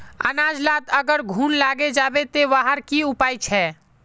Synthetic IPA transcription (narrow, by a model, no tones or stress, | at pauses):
ə̰naːd͡ʒlaːt̪əɡəɾɡʱuːnlaɡed͡ʒaːbet̪eʋaɦəɾkiupaːjt͡ʃʰɛ